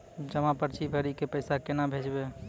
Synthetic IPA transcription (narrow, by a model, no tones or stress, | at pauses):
d͡ʒəmapəɾt͡ʃʰibʱəɾikepəɪsakenabʱed͡ʒbe